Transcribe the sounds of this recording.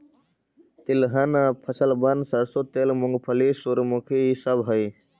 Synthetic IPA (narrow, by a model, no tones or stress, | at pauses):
t̪ilɦɐnapʰɐsəlbɐnd̪sɐɾsot̪eːlmʊŋɡpʰəlisuɾmukʰisəbɦəj